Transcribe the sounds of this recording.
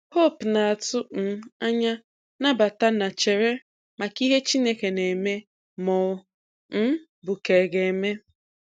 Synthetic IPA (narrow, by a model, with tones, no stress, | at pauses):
ho˦˨pna˨a˨tʊ˦n̩˨a˦ɲa˦ | na˦ba˨ta˦na˨t͡ʃe˨ɾe˦ | ma˨ki˦ɦe˦t͡ʃi˦ne˦ke˨ne˨me˦ | mɔ˨˦ | n̩˦ | bʊ˨ke˨ɡe˨me˦